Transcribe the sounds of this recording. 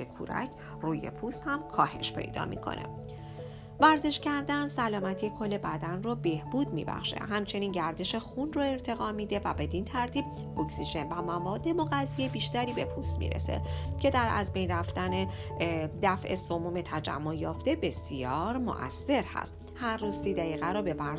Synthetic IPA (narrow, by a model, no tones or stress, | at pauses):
ekʰṵɾæ̰cʰ | ruːjḛpʰust̪hæmkʰɒːhe̞ʃpʰe̞̰jd̪ɒ̰ːmḭːkʰo̞̰nʔḛ | væɾze̞ʃcæɾd̪ænsælɒːmæt̪ʰijekʰo̞lːe̞bæd̪ænrobe̞hbuːd̪mḭbæ̰xʃḛɦæmt͡ʃʰe̞niːnɟæɾd̪e̞ʃe̞xunroe̞ɾt̪ʰe̞ɣɒːmiːd̪e̞væbe̞d̪int̪ʰæɾt̪ʰiːb̥̚ | oksiʒe̞nvæmævɒːd̪ːe̞mo̞ɣæzːijebiːʃt̪æɾiːbe̞pʰust̪mḭːɾḛse̞̰cʰe̞d̪æɾæ̰zbe̞jnræft̪æne | d̪æfʔe̞somuːme̞t̪ʰæd͡ʒæ̰mːojɒːft̪e̞be̞sijɒːɾmo̰ʔæ̰sːe̞ɾhæ̰st̪ | hæɾːuːz̥siːd̪æiːɣæɾɔːbe̞væ